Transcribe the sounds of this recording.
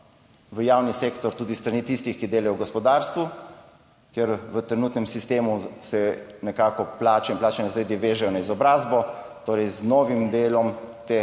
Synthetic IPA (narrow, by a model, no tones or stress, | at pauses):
ʋəjaːwniseːkt̪ɔɾt̪uːd̪ist̪ɾaniːt̪ist̪ixkid̪eːlajɔwɡɔspɔd̪aːɾst̪ʋu | kjɛɾʋət̪ɾɛnuːt̪nɛmsist̪eːmusɛnɛkaːkɔplaːt͡ʃɛinmplaːt͡ʃɛnɛzɾed̪iʋeːʒɛjɔnaizɔbɾaːzbɔt̪oːɾɛjznɔːʋimd̪eːlɔmt̪eː